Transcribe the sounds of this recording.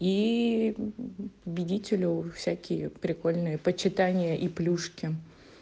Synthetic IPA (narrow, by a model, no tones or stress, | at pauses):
i | pəbʲɪdʲitʲɪlʲʊfsʲækʲɪjəpɾʲɪko̞lʲnɨjəpət͡ɕɪt̪anʲɪjəʔiplʲuʂkʲɪ